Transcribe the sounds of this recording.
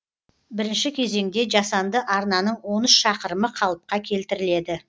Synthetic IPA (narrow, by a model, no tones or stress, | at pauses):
bɪɾɪnʃɪkʲʰe̞ze̞ŋd̪e̞ʒɑsɑnd̪əʔɑɾnɑnəɴwo̞nəsʃɑqəɾəməqʰɑlˠəp̚qɑkʲʰe̞lt̪ɪɾɪle̞d̪ɪ